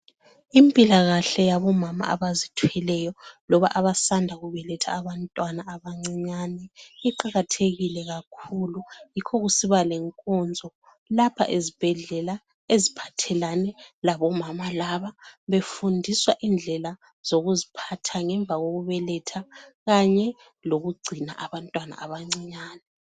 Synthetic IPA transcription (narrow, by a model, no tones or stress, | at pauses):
impʼilaɣaɬɛjaβɔmama̰a̰βazitʰuɛlɛjɔlɔβa̰ʔaβasandʱaɣuβɛlɛtʰa̰ːβantʼwanaːβaŋ͡ǀiɲanɛiǃaɣatʰeɣilɛɣakʰulujikʰɔɣusiβalɛŋkʼɔnd͡zʱɔ | lapʰa̰ʔezib̥ʱɛɮɛla | ezipʰḁtʰɛlanɛlaβɔmamalaβaβefundʱiswaʔind͡ɮʱɛla | z̥oɣuzipʰatʰaŋɛɱb̪vʱaɣoɣuβɛlɛtʰaɣaɲɛ | loɣuɡ͡ǀʱina̰ʔaβantʼwana̰ʔaβaŋ͡ǀiɲaːnɛ